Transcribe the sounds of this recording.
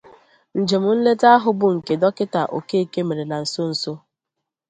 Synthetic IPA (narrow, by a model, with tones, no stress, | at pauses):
n̩˨d͡ʒe˨mʊ˨n̩˦le˦ta˦a˦ɦʊ˨bʊ˨ŋ̩˨ke˨dɔ˦kɪ˦ta˨ʔo̰˨ke˦e˦˨ke˦me˨ɾe˨na˨n̩˨so˦n̩˨so˦